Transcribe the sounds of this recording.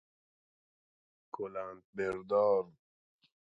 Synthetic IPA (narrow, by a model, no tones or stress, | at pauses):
kʰolant̪̚beɾd̪ɔːɾ